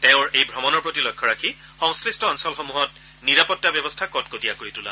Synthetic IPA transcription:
teʊ̃ɹejbʱɔmɔnɔɹpɹotilɔjkʰːɔɹakʰi | xɔŋskɹistɔɔnsɔlxomuɦɔt̚ | niɹapɔtːabjɔbɔstʰakɔtkotijakoɹitula̰

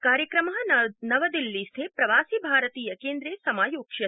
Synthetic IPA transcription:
kaːɾjɐkɾɐmɐɦɐnɐʋɐd̪ilːist̪ʰeːpɾɐʋaːsibʱaːɾɐt̪iːjɐkeːnd̪ɾeːsɐmaːjoːkʃɐ

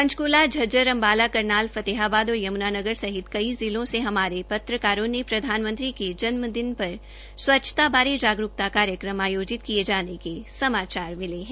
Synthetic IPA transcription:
pɐ̃ɲt͡ʃkuːlad͡ʒʱɐd͡ʒəɾɐ̃mbaːlakɐɾnaːlfɐt̪eɦaːbaːd̪ɔːɾjɐmnaːnɐɡəɾsɐɦɪt̪kɐizɪlõseɦɐmaːɾepɐt̪ɾəkaːɾõnepɾɐd̪ʱaːnmə̃nt̪ɾiked͡ʒɐnməd̪ɪnpɐɾ | swɐtːʃʰə̥t̪abaːɾed͡ʒaːɡɾʊk̚t̪akaːɾjəkɾəmaːjoːd͡ʒɪt̪kied͡ʒaːnekesɐmaːt͡ʃaːɾmɪleɦɛ̃ː

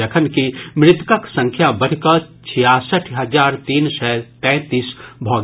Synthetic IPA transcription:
əkʰənkimɾɪt̪kaksə̃ŋkʰjabɐɽ̤kət͡ʃʰɪjasəʈʰɦɐzaːɾt̪iːnsɛt̪ɛ̃ːt̪iːsbʱɔːɡ

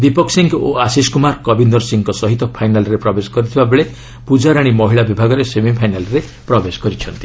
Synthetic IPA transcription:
d̪ipɔksiŋkoasiskumaɾkɔbind̪ɔɾsiŋkɔsɔɦit̪ɔpʰajnalɾepɾɔbesɔ̥kɔɾit̪ʰibabeɭe | pud͡ʒaɾaɽ̃imɔɦiɭabibʱaɡɔɾesemipʰajnalɾe | pɾɔbesɔ̥kɔɾit͡ʃʰɔnt̪i̥

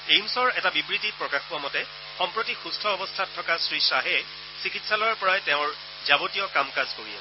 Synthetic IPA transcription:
ejmsɔɹɛtabibɹitit̚pɹɔkaxpuamɔtɛ | xɔmpɹotixustʰɔɔbɔstʰatʰːɔkasɹisaɦɛ | sikitsalɔjaɹpɔɹaɛteʊ̃ɹ | zabotijɔkamkazkoɹijɛ̰

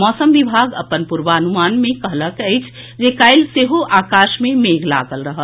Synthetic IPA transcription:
mɔːsəmʋibʱaːɡə̰pənpuɾʋaənumaːnmẽkəɦləkəɪt͡ʃʰ | d͡ʒekaːɪlseɦoʔaːkaːʃmẽmeɡla̰ɡəlɾəɦəl

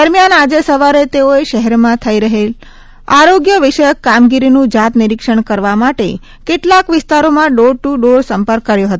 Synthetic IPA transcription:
əɾmjanad͡ʒesəʋaɾet̪eoeʃəɦɛɾmãt̪ʰəiɾəɦel | aɾoɡjəʋɪʃəjəkːamɡiɾinũd͡ʒat̪niɾikʃəɳkəɾʋamaʈe | keʈlakʋɪst̪aɾomãɖoɾʈuɖoɾsəmpəɾkːəɾjoɦət̪o

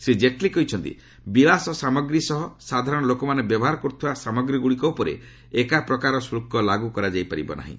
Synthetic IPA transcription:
sed͡ʒeʈlikɔɦit͡ʃʰɔnt̪ḭ | bilasɔsamɔɡɾisɔɦɔsad̪ʱaɾɔɽ̃ɔlokɔmanebjɔbɔɦaɾɔkɔɾut̪ʰibasamɔɡɾiɡuɽikɔupɔɾḛ | ekapɾɔkaɾɔsɾukːɔlaɡukɔɾad͡ʒajpaɾibɔ̰na̰ɦḭ̃

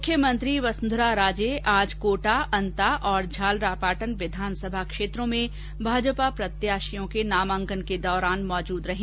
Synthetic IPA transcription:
mʊkʰːjəmɐ̃nt̪ɾiʋɐsnd̪ʱɾaɾaːd͡ʒeːʔaːd͡ʒkoːʈaʔɐ̃nt̪aʔɔːɾd͡ʒʱaːlɾaːpaːʈənʋɪd̪ʱaːnsəbʱakʃeːt̪ɾõmẽ | bʱaːd͡ʒpapɾɐt̪jaːʃijõkenaːmə̃ŋkənked̪ɔːɾaːnmɔːd͡ʒuːd̪ɾɐɦĩ

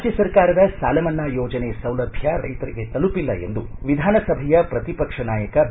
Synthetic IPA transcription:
d͡ʒjɐsɐɾkaːɾɐd̪ɐsaːlɐmɐnːaːjoːd͡ʒɐneːsɐwlɐbʱjɐɾɐ̰jt̪ɐɾiɡet̪ɐlupilːɐe̞̰nd̪uʋid̪ʱaːnɐsɐbʱɐjɐpɾɐt̪ipɐkʂɐnaːjɐkɐ

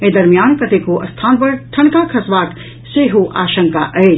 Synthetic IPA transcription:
eːd̪ɐɾmijaːnkɐt̪ekoʔɐst̪ʰaːnpɐɾʈʰɐɳkakʰɐsʋaːk̪ | seːɦuʔa̰ːʃəŋkaʔɐe

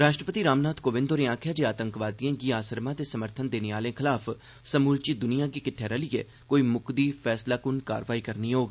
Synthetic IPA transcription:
ɾaːʃʈɾəpət̪iːɾaːmnaːt̪koːʋɪ̃nd̪oɾiãːkʰjaːd͡ʒeːaːt̪ə̃ŋkʋaːd̪ijãːɡiːaːsəɾmãːt̪eːsəməɾt̪ʰənd̪eːneaːlẽːkʰɪlaːpʰ | səmuːlt͡ʃiːd̪ʊnijãːɡiːkɪʈʰːeːɾəlɪjḛː | koːiːmʊkd̪iːpʰɛːslaːkʊnka̰ːɾʋaːiːkəɾniːɦoːɡ

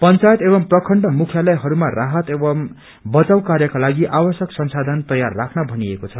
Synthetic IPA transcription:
pʌnt͡sajet̪ebʌmprʌkʰʌɳɖʌmukʰjalʌjɦʌɾumaraɦʌt̪ebʌm | bʌt͡sawkarjʌkalaɡiʔabʌsjʌksʌnsad̪ʱʌnt̪ʌjarːakʰnʌbʱʌniekot͡sʰʌ

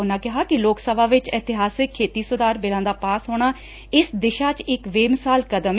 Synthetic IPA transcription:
ʊnãːkɪɦaːkɪloːksəbaːʋɪt͡ʃɪt̪ɪɦaːsɪkʰːeːt̪iːsʊd̪aːɾbɪlãːd̪aːpaːsɦoːɳ̃aː | ɪsd̪ɪʃaːt͡ʃɪkʋeːmɪsaːlkəd̪əm

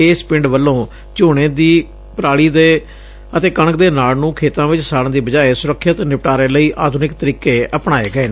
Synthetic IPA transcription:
eːspɪ̃ɳɖʋəlːõː | t͡ʃoːɽ̃eːd̪iː | pɾaːɽiːd̪eː | ət̪eːkəɳək̚d̪eːnaːlnũːkʰeːt̪ãːʋɪt͡ʃsaːɽə̃nd̪iːbəd͡ʒaːeːsʊɾəkʰːət̪nɪpʈaːɾeːləiːʔaːd̪uːnɪkt̪əɾiːkeːʔəpɽaːeːɡəeː

